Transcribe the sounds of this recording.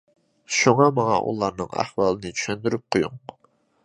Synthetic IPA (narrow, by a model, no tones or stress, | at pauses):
ʃuŋɑmɑŋɑ̰ʔṵlˠɑɾnɨŋæ̰hwɑːlˠɨnɨt͡ʃʰy̥ʃønd̪yɾyp̚qʰojuŋ